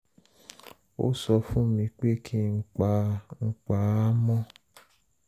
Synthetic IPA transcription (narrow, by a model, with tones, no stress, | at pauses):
o̰˦sɔ˧fũ˦mĩ˧k͡pe˦kʰi˦ŋ̩˦k͡pa˧˦ŋ̩˦k͡pa˧˦a˦mɔ̃˦